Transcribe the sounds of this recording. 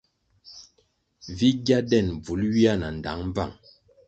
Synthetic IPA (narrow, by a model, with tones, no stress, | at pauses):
vi˦ɡja˦dɛ˦˨nb͡vu˨˦lɥi˦a˦na˨n̩˨da̰˨˦ŋm˦b͡va˦˨ŋ